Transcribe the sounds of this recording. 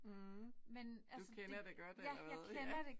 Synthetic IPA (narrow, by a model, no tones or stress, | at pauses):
menælusəkʰenɐd̥eɡ̥ɶɐd̥æjɑɪkʰenɐd̥e̝